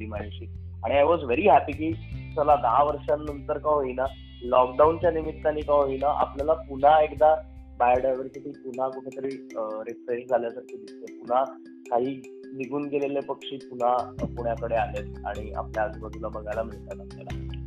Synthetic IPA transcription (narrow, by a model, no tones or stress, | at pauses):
imaɭɕi | aɽ̃iajʋɔd͡zʋeɾiːɦæpiːkiːsəlad̪ɦaʋəɾʂãnnənt̪əɾkaɦoina | lɔk̚ɖaunt͡ɕjanimit̪ːaniːkaɦoinaʔa̰pljalapuɳ̤aekd̪a | bajəɾɖaʋəɾsəʈʰiːpun̤akuʈʰet̪əɾiːɾefɾeʂd͡zʱaljasaʈʰiːd̪ist̪epun̤a | kaɦiː | niɡuːnɡelelepəkʂiːpun̤apuɳjakəɽealet̪a̰ɽ̃ia̰pljad͡zbəd̪ʱulabəɡalam̤iɭt̪at̪asla̰la̰t̪a